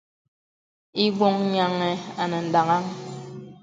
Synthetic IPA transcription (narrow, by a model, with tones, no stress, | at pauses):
i˦ɡwɔ˦ŋ˦ɲa˦ŋɛ˨a˨nə˨n̩˨da˨ŋa˦ŋ